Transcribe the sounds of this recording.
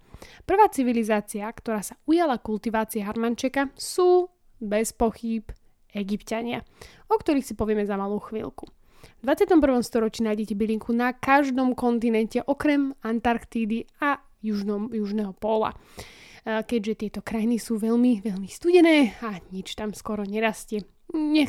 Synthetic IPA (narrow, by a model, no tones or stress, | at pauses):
pr̩ʋaːt͡siʋilizaːt͡siakt̪ɔɾaːsaujalakult̪iʋaːt͡siaɦaɾmant͡ʃɛkasuː | bɛspɔxiːp | ɛɡipcaɲɪa̰ | ɔkt̪ɔɾiːxsipɔʋɪɛmɛzamaluːxʋḭlku | vd̪ʋat͡sɪat̪ɔmpr̩ʋɔmst̪ɔɾɔt͡ʃiːnaːjɟɛcɛbiliŋkʰunakaʒd̪ɔmkɔnt̪̬inɛncɛʔɔkɾɛmant̪aɾkt̪iːd̪ia | juʒjuʒnɛɦɔpɔla̰ | kɛɟʒɛt̪ɪɛt̪ɔkɾajinisuːʋɛʎmiʋɛʎmist̪uɟɛnɛːaɲit͡ʃt̪amskɔɾɔɲɛɾascɛ | ɲɛ